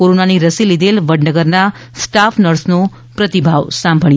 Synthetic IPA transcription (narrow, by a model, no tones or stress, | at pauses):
oɾonaniɾəsilid̪elʋəɖnəɡəɾna | sʈafʰnəɾsno | pɾət̪ibʱaʋsãmbʱəɭi